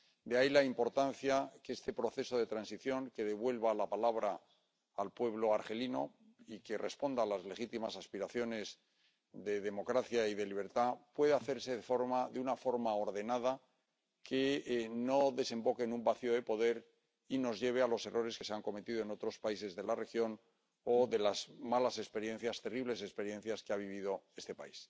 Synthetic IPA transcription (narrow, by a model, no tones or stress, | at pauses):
d̪eailaimpo̞ɾt̪an̟θjakeest̪e̞pɾo̞θe̞so̞ðe̞t̪ɾansiθjo̞ŋke̞ðe̞βwe̞lβalapalaβ̞ɾaː | lpwe̞β̞lo̞aɾxe̞lino̞̰ | ike̞re̞spo̞nd̪aːlazle̞xit̪imasaspiɾaθjo̞ne̞z | ðe̞ðe̞mo̞kɾaθjaiðe̞liβe̞ɾt̪apwe̞ðaθe̞ɾseðefo̞ɾmaðeunafo̞ɾmao̞ɾðe̞nað̞a | kʰeno̞ðe̞se̞mbo̞ke̞nũmbaθio̞ðe̞po̞ðe̞ɾ | ino̞zʝe̞β̞ealo̞se̞rʔo̞ɾeske̞seaŋko̞met̪iðo̞e̞no̞t̪ɾo̞spaise̞zðe̞lare̞xjo̞n | oðe̞lazmalase̞kspe̞ɾje̞n̟θjast̪e̞riβ̞le̞sespe̞ɾje̞n̟θjaskeaβ̞iβ̞ið̞o̞e̞st̪e̞pa̰is